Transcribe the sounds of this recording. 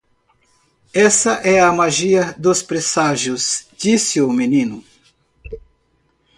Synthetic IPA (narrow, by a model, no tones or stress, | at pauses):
ɛsɐʔɛɐmaʒiɐd̪ʊspɾesaʒjʊzd͡ʒisɪʊmenĩnʊ